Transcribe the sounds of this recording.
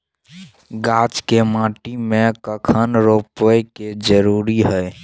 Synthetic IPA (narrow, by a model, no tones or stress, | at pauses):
ɡat͡ʃkemãʈimekəkʰənɾopəjked͡ʒəɾuɾiɦəj